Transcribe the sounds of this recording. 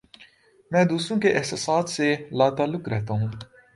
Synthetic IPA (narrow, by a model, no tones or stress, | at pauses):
mɛ̃ːd̪uːsɾõːkeʔɪɦsəsaːd̪selaːt̪aːlːʊkɾɛɦt̪aɦũː